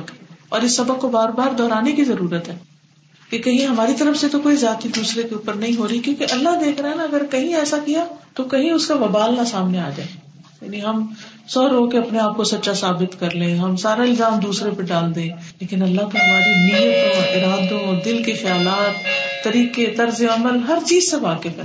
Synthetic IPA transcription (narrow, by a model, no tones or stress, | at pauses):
kɔ̰ːɾɪsːɐbəkkːobaːɾbaːɾd̪ɔːɾaːnekizɐɾuːɾət̪ɦɛː | kekɐɦĩɦɐmaːɾit̪ɐɾəfset̪okoːizjaːt̪id̪uːsɾekeuːpəɾnɐɦĩɦoːɾikjõːkeʔɐlːaɦd̪eːkʰɾaɦɛnaɐɡəɾkɐɦĩɛːsakijat̪okɐɦĩʊskaʋɐbaːlnasaːmneaːd͡ʒa̰ːe | ja̰ːniɦɐm | sɔːɾoːɡkeɐpneaːp̚kosɐt̪ːʃasaːbɪt̪kɐɾlẽːɦɐmsaːɾaɪlzaːmd̪uːsɾepɐɖaːld̪ẽːleːkɪnɐlːaɦkeɦɐmaːɾimɪjət̪õɪɾaːd̪õd̪ɪlkexɐjaːlaːt̪ːɐɾiːqet̪ɐɾzeɐməlɦɐɾt͡ʃiːzseʋaːkepɐɾ